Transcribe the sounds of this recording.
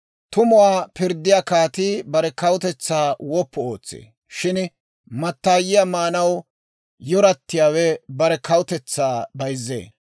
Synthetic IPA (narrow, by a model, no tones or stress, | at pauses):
t̪ʊmʊwaːpɪɾd̪ːɪjakaːt̪ibɐɾɛkɐwʊt̪ɛt͡sːaːwɔpːɔoːt͡sːḛː | ʃɪn | mɐt̪ːaːjɪjamaːnɐw | jɔɾɐt̪ːɪjaːwɛbɐɾɛkʰɐwʊt̪ɛt͡sːaːbɐjzːḛː